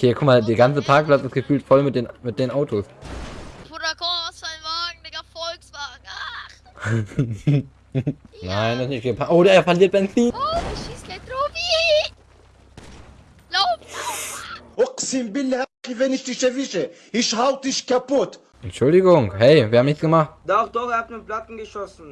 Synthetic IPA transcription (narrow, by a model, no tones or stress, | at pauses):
kʰeːkʰʊmadeːɐɡant͡səpʰaɐk̚plat͡sɪstɡ̥əfyːltfɔlmɪt̚d̥eːnmɪt̚d̥eːnʔaʊtʰos | foɾɐkɔsavaːɡŋ̩ɛɡɐfɔlksvaːɡa | naɪnstnɪçt̚ɡ̥əpʰaʔoːɾɐeːɐfɐliːɐt̚b̥ɛnt͡siːnʃiskatɾovi | laʊpː | oqsimbɪlːhaqivɛnɪʃd̪iʃɛvɪʃə | ɪʃhawtɪʃkapʊt̪ | ɛntt͡ʃʊldɪɡʊŋhɛɪvʲiːɐaːmnɪçtt͡sɡ̥əmaχtdaʊxd̥ɔxhatnɪnplatn̩ɡəʃɔsn̩